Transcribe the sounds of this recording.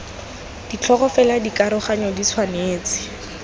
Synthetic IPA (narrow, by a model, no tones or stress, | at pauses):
d̥it͡ɬʰɔχɔfɛladikaɾʊχaɲɔdit͡sʰwaneːt͡sɪ̥